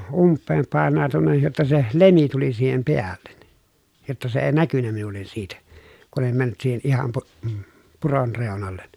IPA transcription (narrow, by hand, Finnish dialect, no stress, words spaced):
umpːeːm pɑˑenːɑˑu̞tunːɑ jotːɑ se lemi tuli siːhem peælːen jotːɑ se eː nækynːæ minulˑen siːtæ kun em mænːyt siːhen ihɑn pu puron reˑonolːen